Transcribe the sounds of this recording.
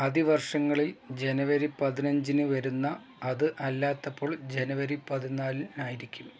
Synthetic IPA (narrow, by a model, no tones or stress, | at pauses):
ɐðiʋɐrʂɐŋːɐɭild͡ʑe̞nɐʋɐɾipɐðinɐɲd͡ʑinɨʋɐɾunːɐː | ðɨʔɐlːaːt̪ːɐpːo̞ːɭd͡ʑe̞nɐʋɐɾipɐðinaːlinaːjiɾikʲːum